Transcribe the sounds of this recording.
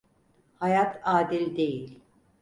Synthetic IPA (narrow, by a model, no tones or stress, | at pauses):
hajat̪ʰaːd̪ilʲd̪e̞jilʲ